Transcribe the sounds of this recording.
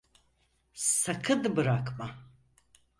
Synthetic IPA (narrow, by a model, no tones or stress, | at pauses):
sɐkʰɨd̪ɨbɨɾaːkʰma